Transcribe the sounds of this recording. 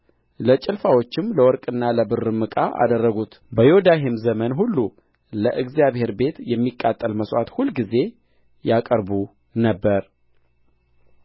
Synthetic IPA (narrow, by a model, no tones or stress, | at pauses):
lət͡ʃʼɪlfawo̞t͡ʃːɪmləwɔɾkʼɨnːaləbɨrɨmɨkʼa̰ʔa̰d̪ərːəɡut̪ | bəjod̪aɦemzəmənɦulːu | ləʔɨɡzijaβhe̞ɾbe̞t̪jɛmːikʼːat̪ʼːəlməswat̪hulɡize̞ | jakʼəɾbu | nəbːəɾ